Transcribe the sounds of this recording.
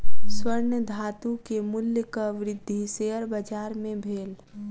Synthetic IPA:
swəɾnjəd̪ʱaːt̪ukemʊljəkaʋɾɪd̪ʱːiseːəɾbəd͡ʒaːɾmẽbʱeːl

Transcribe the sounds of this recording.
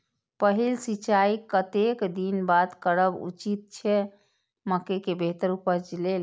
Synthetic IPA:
pəɦilsit͡ʃaikət̪ekd̪inbad̪kəɾəbṵt͡ʃit̪̚t͡ʃʰɛ | məkekebeɦt̪əɾupəɾd͡ʒilel

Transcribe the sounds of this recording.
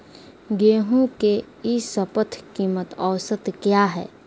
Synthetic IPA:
ɡeːɦũke | isəpət̪ʰkiːmət̪ɔːsət̪kjaːɦɛ̰ː

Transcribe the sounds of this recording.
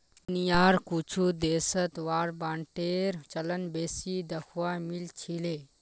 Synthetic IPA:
nijaːɾkut͡ʃʰud̪esət̪ʋaːɾbaːɳʈeɾt͡ʃələnbeːsid̪əkʰwamilt͡ʃʰile

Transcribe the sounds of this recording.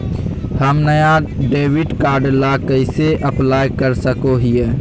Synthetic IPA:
həmnəjaɖeːʋiʈkaːɾɖlakəɪseʔəplaːjkəɾsəkoɦie

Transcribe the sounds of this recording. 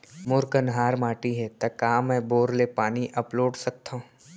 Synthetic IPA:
mʊɾkənɦaːɾmaːʈiɦɛt̪ɐkaːmːɛ̃ːboːɾlepaːniʔɐploːɖsɐk̚t̪aɦũ

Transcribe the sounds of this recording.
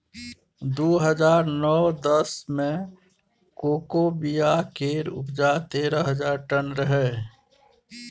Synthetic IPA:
d̪oːɦəd͡ʒaːɾnɔːd̪əsmẽ | koːkobijakeːɾʊ̰pd͡ʒaːt̪eːɾəɦəd͡ʒaːɾʈənɾəɦɛ

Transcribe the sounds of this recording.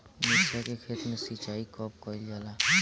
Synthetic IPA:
mesakekʰet̪nesit͡ʃaːikɔp̚kɔild͡ʒala

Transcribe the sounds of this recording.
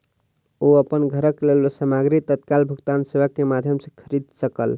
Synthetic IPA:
oəpənɡʱəɾəklelbesamaɡɾit̪ət̪̚kalbʱuɡt̪ansebakːemad̪ʱjəmsə̃kʰəɾid̪səkə̰l

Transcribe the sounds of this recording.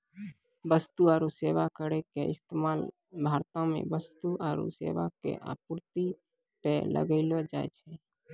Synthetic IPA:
bəst̪uəːɾuseːʋakəɾekeɪ̰st̪emaːl | bʱaːɾt̪ãmḛ̃bəst̪uʔəːɾṵsḛːʋakḛʔa̰ːpʊɾt̪i | pɛːlʔə̰ɡəɪlod͡ʒa̰ːḛt͡ʃʰɛ

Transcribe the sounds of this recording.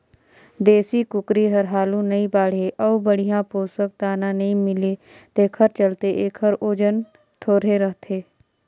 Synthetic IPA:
d̪eːsikʊkɾiɦɐɾɦaːlũnɐĩbaːɽ̤ɦeʔɔːubəɽ̤ijãpoːsək̚t̪aːnãnɐɦĩmɪle | t̪eːkʰəɾt͡ʃəlt̪eʔeːkɦəɾoːd͡ʒən | t̪ʰoːɾɦeɾəɦt̪ʰeː

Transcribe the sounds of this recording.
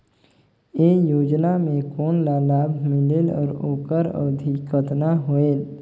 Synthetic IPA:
eːjoːd͡ʒnamẽkoːnlaːlaːbʱmɪlelɔ̰ːɾoːkəɾə̰ːd̪ʱikət̪naɦoeːl

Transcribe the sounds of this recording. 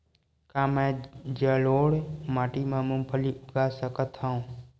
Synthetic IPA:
kãːmɛ̃ːd͡ʒəːloːɽmaːʈiːmãːmũmpʰəliːʊɡaːsəkət̪ɦaːũː

